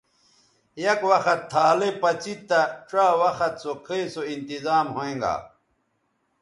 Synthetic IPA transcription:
jɐkwɐxɐt̪ʰːaːlepɐt͡ɕit̪ːɐʈ͡ʂaːwɐxɐt̪sokʰeisoint̪izaːmhoẽːŋɡa̰ː

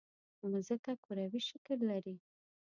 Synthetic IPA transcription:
nzəkakuɾawiʃəkəlːaɾi

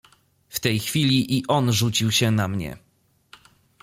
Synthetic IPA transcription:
ft̪ɛjxfʲilʲiʔiʔɔnʐut͡ɕiwɕɛnamɲɛ̰

